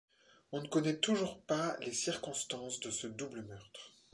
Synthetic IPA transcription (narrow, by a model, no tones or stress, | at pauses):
ɔ̃nəkɔnɛt̪uʒuʁpalesiʁkɔ̃st̪ɑ̃sd̪əsəd̪ubləmœʁt̪χ